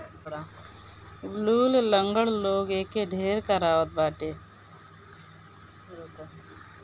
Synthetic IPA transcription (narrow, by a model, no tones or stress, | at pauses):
bluːlləŋɡəɽloːɡeːkeɖʱeːɾkəɾaːʋət̪̚baːʈeː